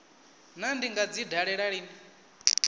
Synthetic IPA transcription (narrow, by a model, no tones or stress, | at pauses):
nandiŋɡad͡zidʱaɺɛɺaɺiːni